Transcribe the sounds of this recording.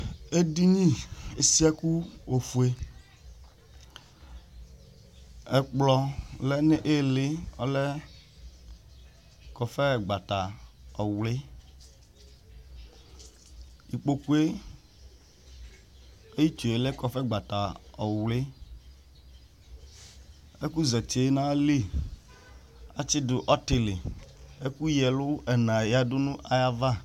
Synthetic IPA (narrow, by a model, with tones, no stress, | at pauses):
e˦di˦ɲĩ˦e˨si˦a˦ku˦o˨fu˨e˨ | ɛ˨k͡plɔ˦lɛ˦ne˦ʔe˦le˦ɔ̰˦lɛ˦ | kɔ˨fɛ˦˨ɡ͡ba˨t̪a˨ɔ˨wle˦ | i˨k͡po˨ku˦e˦ | e˦ji˦t͡ʃo˨e˨lɛ˦kɔ˨fɛ˦ɡ͡ba˨ta˨ɔ˨wle˦ | e˦ku˦zɛ˨t͡ʃe˨˦nã˦li˦ | a˦t͡ʃɪ˦dʊ˨ʔɔ˦te˨le˨e˦ku˦jɛ˨lʊ˦ɛ˨nã˨ja˦dʊ˦nũ˦ʔa˨ja˦va˦